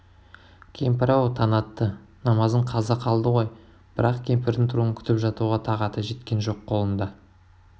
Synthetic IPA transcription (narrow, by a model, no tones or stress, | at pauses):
kʲʰejmpɑɾɑwt̪ʰɑnɑt̪ːə | nɑmɑzd̪əɴqʰɑzɑqʰɑlˠd̪əʁo̞j | b̥ɪɾɑqkʲʰe̞mpɪɾd̪ɪŋt̪ʰʊɾuəŋkʲʰʏ̥t̪ɪpʒɑt̪uʁɑt̪ʰɑʁɑt̪əʒe̞t̪kʲe̞nʒo̞qʰːo̞lˠənd̪ɑ